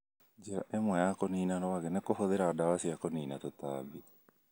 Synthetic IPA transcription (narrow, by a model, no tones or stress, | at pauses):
d͡ʒeɾa̰ʔemwɛjakoniːnanɔaɡɛnɛkofoðeɾadawasiakoniːnat̪ot̪a̰ːbi